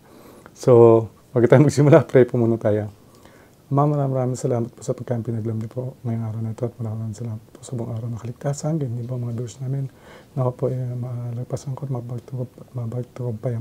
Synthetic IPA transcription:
so | pɐɡɐt̪aːjomɐɡsɪmʊlapɾɛjpumuːnɐt̪aːjo | mɐmɐɾaːmɐɾaːmɪŋsɐlaːmɐt̪̚posɐpɐɡ̚kːaʔɐmpinɐɡlɐmlɛpoŋɐjoŋʔaːɾɐwnɐt̪oʔɐt̪mɐɾaːmɐɾaːmɪŋsɐlaːmɐt̪̚posɐʔboŋʔaːɾɐwnɐkɐlɪɡ̚t̪aːsɐnɡnd̪iboɐŋmɐŋad̪osnaːmɪnŋɐkopoʔmɐlɐɡ̚pasɐŋkot̪mɐɡt̪mɐbɐɡ̚t̪ʊkob̚pɐjɐ

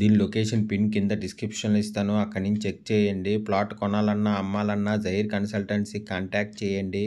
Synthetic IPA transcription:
d̪iːnilokeːʂɐnpinkind̪ɐɖiskɾipʂɐnlist̪aːnuɐkːɐɽniɲt͡ʃek̚t͡ʃɛːjɐɳɖiplaːʈkɔnaːlɐnːaɐmːaːlɐnːaːd͡ʒɐjiɾkɐnsɐlʈɐɳʈsikaːɳʈaːk̚ʈ̚t͡ʃɛːjɐɳɖi

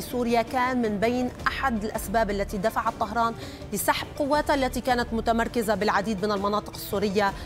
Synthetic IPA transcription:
suːɾɪjakaːnmɪnbejːnʔaħad̪ɪlʔasbaːbalːat̪id̪afaʕat̪ˤːɑɦɾˤɑːn | lɪsaħb̚qʊwːaːt̪ʔalːat̪ikaːnat̪mʊt̪amɑɾˤkɪzabɪlʕad̪iːd̪mɪnɪlmɑnɑːt̪ˤɨ̥qɪsːuːɾɪjːa

